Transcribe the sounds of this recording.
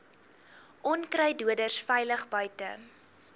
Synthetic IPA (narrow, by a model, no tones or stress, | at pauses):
ʔɔnkrɛjduədərsfɛjləχbœɥtə̰